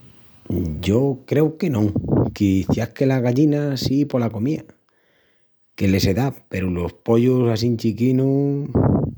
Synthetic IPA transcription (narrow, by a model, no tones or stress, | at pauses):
ɟ͡ʝokɾe̞wke̞nõŋkiθjahke̞laɣaʎinasipo̞lako̞mia | ke̞le̞se̞ðape̞ɾulo̞spo̞ʎusas̬int͡ʃikinu